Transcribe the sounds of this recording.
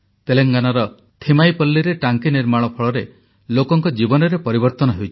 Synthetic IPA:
t̪eleŋɡanɔɾɔ | t̪ʰimajpɔlːiɾeʈaŋkiniɾmaɭ̃ɔpʰɔɭɔɾe | lokɔŋkɔd͡ʒibɔnɔɾepɔɾibɔɾt̪ɔnɔɦewt͡ʃʰi̥

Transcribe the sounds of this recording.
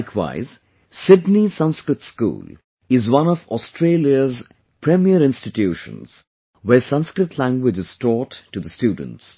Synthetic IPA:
kʰwa̰ɪz̥ | sɪdnisʌ̃nskɾɨtskṵːl | ɪzwʌ̃nɔfɔstʰɾeːljəz | pʰɾɛmiəɾɪ̃nstɪtjuːʃə̰̃nz̥ | wɛsʌ̃nskɾɨtʰlæ̃ŋɡwɪd͡ʒɨz̥tɔːtːud̪əstjuːdə̃n̩ts

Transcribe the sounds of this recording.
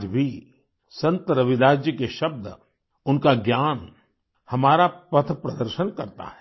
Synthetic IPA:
d͡ʒbʱi | sɐ̃nt̪əɾɐʋɪd̪aːd͡ʒjəkeʃɐb̚d̪ | ʊnkaɡjaːn | hɐmaːɾapɐt̪ʰpɾɐd̪əɾʃənkɐɾt̪a̰ɦɛ

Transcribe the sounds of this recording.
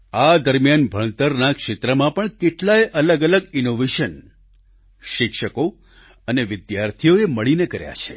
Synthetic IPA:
ad̪əɾmijanbʱəɳ̃t̪əɾnakʃet̪ɾəmãpəɳkeʈlaeʔələɡələɡinoʋeʃən | ʃɪkʃəko | əneʋɪd̪jaɾt̪ʰijoeməɭinekəɾja̰t͡ʃʰḛ

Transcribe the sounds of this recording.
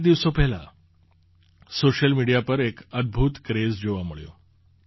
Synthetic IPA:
d̪iʋsopɛɦla̰ | soɕəlmiɽijapəɾekəd̪̚bʱuːt̪kɾezd͡ʑoʋaməɭjo̰

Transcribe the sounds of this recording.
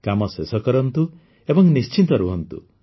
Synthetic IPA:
kamɔsesɔkɔɾɔnt̪u | ebɔŋnist͡ʃint̪ɔɾuɦɔnt̪ṵ

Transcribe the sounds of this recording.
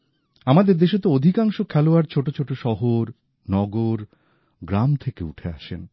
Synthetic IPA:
amad̪eɾd̪eʃot̪ood̪ʱikaŋʃokʰɛloaɾt͡ɕʰoʈot͡ɕʰoʈoʃɔɦoɾ | nɔɡoɾ | ɡɾamt̪ʰekeuʈʰea̰ʃḛn

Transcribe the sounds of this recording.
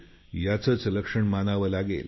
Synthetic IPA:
jat͡səːt͡sləkʂəɳmanaʋəlaɡḛl

